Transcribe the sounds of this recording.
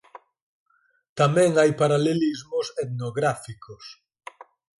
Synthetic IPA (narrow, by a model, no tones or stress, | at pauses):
t̪amɛ̃ŋajpaɾalelizmʊset̪noɣɾafikʰos